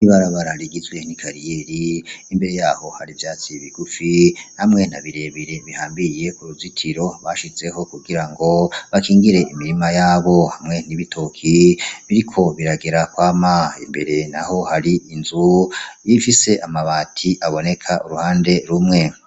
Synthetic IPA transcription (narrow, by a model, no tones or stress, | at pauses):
niβaɾaβaɾaɾiɡizɡwe̞nikʰaɾijeɾiːmbe̞ɾe̞jaːho̞haɾivjaːt͡siβiɡ̥ufinhamŋe̞na̰βiɾe̞βiɾe̞βihaːmbije̞ʔuɾuvzitʰiɾo̞βaʃize̞ho̞kuɡiɾaŋɡo̞βakʰiːŋɡiɾe̞imiɾimajaːβo̞hamŋe̞niβitʰo̞kʰiβiɾikʰo̞βiɾaɡeɾakwaːmaḭmbeɾenaho̞haɾiinzujifise̞ʔamaβaːtʰiʔaβo̞ne̞kʰaʔuɾuhaːnde̞ɾumŋe̞